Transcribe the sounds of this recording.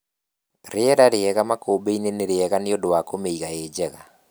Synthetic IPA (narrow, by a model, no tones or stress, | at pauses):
ɾeɛɾaɾeɛɣamakoːbeineneɾeɛɣaneodowakomeiɣaeːd͡ʑɛɣa